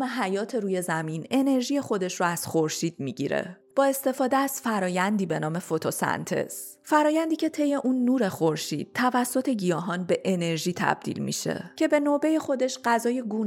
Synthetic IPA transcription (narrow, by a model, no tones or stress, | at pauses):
meɦæjɒːt̪ʰe̞ɾuːje̞zæmine̞ne̞ɾʒije̞xo̞d̪e̞ʃroæz̥xo̞ɾʃiːd̪̥̚miɟḭɾḛ | b̥ɒːe̞st̪e̞fɒːd̪eæz̥fæɾɒːjænd̪iːbe̞nɒːme̞fo̞t̪ʰosæ̰nt̪ʰe̞̰s | fæɾɒːjænd̪iːcʰe̞t̪ʰe̞je̞ʔunːuːɾe̞xoɾʃḭːd̪̥̚t̪ʰːævæsːo̞t̪ʰe̞ɟijɒːɦɒnbe̞ʔene̞ɾʒiːt̪ʰæ̰b̥̚d̪ḭːlmḭʃḛcʰe̞be̞nobe̞je̞xo̞d̪e̞ʃɢæzɒːjeɡuːn